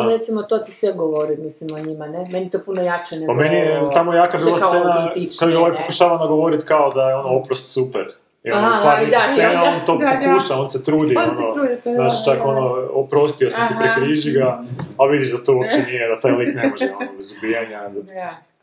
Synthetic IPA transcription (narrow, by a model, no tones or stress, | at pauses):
ɾet̪simot̪ot̪isʋeɡoʋoɾimislimoɲimanemenit̪opunojat͡ʃenepamenijet̪amojaːkabiːlˠasenaikoeoʋajpokuʃaːʋanaɡoʋo̞ɾit̪kaod̪ajeo̞noopɾost̪supeɾ | iaɾiast̪enao̞nt̪o̞pokuʃao̞nset̪ɾuːd̪ionoɾuːd̪naːʃt͡ʃako̞noopɾo̞st̪iosamt̪ipɾikɾiʒiɡaːʋid̪iʒd̪at̪o̞uopt͡ʃenijed̪at̪aːjlˠiknemoʒɛonobezubijaɲad̪a